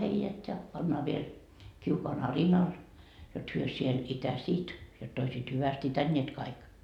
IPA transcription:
heijæt jɑ pɑnːɑː ʋiel kiukoɑn ɑrinɑl jot hyø siel itæsiːt jotː oisiːt hyʋæst itænʲːiet kɑik

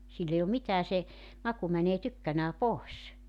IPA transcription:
silː ei om mitæː se mɑku mæneː tykːænæː poˑes

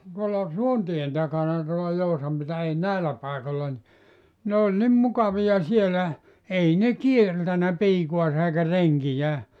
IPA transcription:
tuolːɑ suontien tɑkɑnɑ tuolɑ jousɑm pitæ ei næˑelːæ pɑˑekolːɑ ni ne olʲ nim mukɑʋiɑ sielæ ei ne kieltænæ piːkuɑsɑ eikæ reŋkijæː

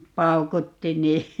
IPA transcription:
pɑukutːi niː

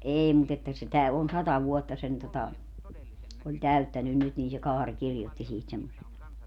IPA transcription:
eːi mut etːæ sitæ on sɑtɑ ʋuotːɑ sen totɑ olʲ tæytːænyn nyt niːn se kɑːrʲ kirjotːi siːt semːosen

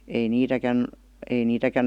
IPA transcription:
ei niːtækæn ei niːtækæn

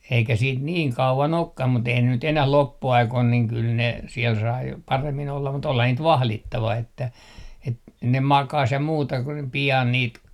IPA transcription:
eikæ siːt niːŋ kɑuʋɑn okːɑm mut eihæn ne nyt enæh lopːuɑikoin niːŋ kyl ne siel sɑi pɑremːin olːɑm mut olhɑ niːt ʋɑhlitːɑʋɑ etːæ et ne mɑkɑs jɑ muːtɑ ku ne piɑn niːt

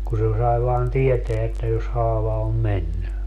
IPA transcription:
ku se sɑi ʋɑːn tieteæ etːæ jos hɑːʋɑ om menːy

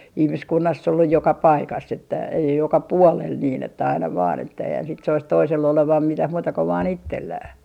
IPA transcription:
ihmiskunːɑsː olːuj jokɑ pɑikɑsː etːæ ei jokɑ puolel niːn etːæ ɑinɑ ʋɑːn etːæ eihæn sit sois toiselː oleʋɑm mitæh muːtɑ ko ʋɑːn itːelːæː

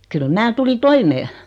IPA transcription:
kyl mæː tuli toimeː

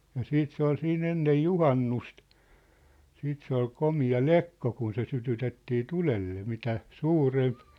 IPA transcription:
jɑ siːt se ol siːn enːej juhɑnːust siːt se ol komiɑ lekːo kun se sytytetːiː tulelːe mitæ suːremp

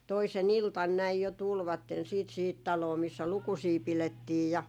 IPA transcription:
toisen iltɑn næij jo tulʋɑtːen siːt sihit tɑloː misːæ lukusiː piletːiːj jɑ

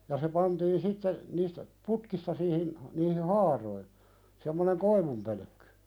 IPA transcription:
jɑ se pɑntiːn sitːe niːstæ putkistɑ siːhin niːhi hɑːroi semːoneŋ koiʋumpølø̆kːẙ

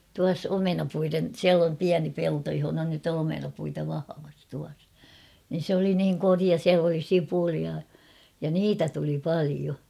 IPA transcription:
tuɑs omenɑpuiren siæl om piæni pelto johonɑ nyt on omenɑpuitɑ ʋɑhɑʋɑs tuɑs nin̞ sĕ oli niːŋ koriɑ siæl oli sipuliɑ jɑ niːtæ tuli pɑlio

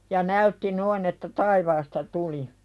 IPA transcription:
jɑ næytːi noin etːæ tɑiʋɑːstɑ tuli

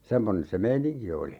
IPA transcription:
semːonen se meiniŋki oli

